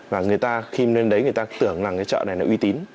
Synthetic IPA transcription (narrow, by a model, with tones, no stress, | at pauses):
vaː˨˩ŋɨ˨˩əjt̪aː˧xi˧ne˧nɗə˨˦jŋɨ˨˩əjt̪aː˧t̪ɨ˧˩əŋzaː˨˩kaː˨˦t͡ɕɔ̰˧˨na˨˩jla̰˨˦ʔwi˧t̪i˨˦n